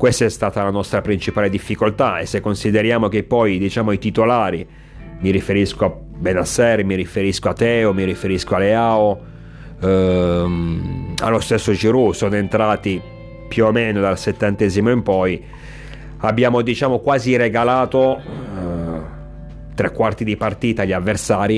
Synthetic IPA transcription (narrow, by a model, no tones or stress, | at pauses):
kwest̪aɛst̪aːt̪alanɔst̪ɾapɾint͡ʃipaːled̪ifːikolt̪aḛsːekːonsid̪eɾjaːmok̟epːɔjd̪it͡ʃaːmoit̪it̪olaːɾi | miɾifeɾiskoa | benasːɛɾmiɾifeɾiskoat̪ːɛːomiɾifeɾiskoaleaːo | a̰lːost̪esːod͡ʒiɾusoːnoent̪ɾaːt̪i | pjuomːeːnod̪alset̪ːant̪ɛːzimoimpɔj | abːjaːmod̪it͡ʃaːmokwaːziɾeɡalaːt̪o | t̪ɾɛkːwart̪id̪ipart̪iːt̪aʎːiavːersaːɾi